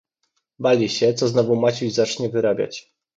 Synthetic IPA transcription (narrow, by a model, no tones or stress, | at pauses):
balʲiɕɛt̪sɔznɔvumat͡ɕuʑzat͡ʂɲɛvɘɾabʲja̰t͡ɕ